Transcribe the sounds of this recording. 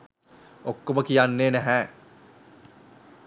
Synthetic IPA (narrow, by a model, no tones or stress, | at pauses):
okːoməkijanːeːnæɦæː